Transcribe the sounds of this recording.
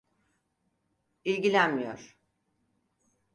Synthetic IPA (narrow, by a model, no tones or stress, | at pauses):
ilʲɟilʲænmijo̰ɾ̥